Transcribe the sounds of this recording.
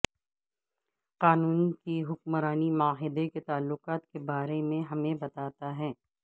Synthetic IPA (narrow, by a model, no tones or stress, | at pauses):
qaːnuːnkiɦʊk̚mɾaːnimʊaɦɪd̪eket̪aːlːʊqaːt̪kebaːɾemẽɦɐmẽbɐt̪aːt̪aɦɛː